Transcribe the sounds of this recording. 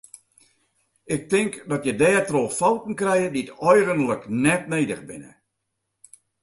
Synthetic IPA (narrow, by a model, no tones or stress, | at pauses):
ɪk̚tɪŋkdɔtjədɛːtrofɔwtn̩krɛjədiətɔjɣənləknɛtneːdə̰ɣbɪ̰nə̰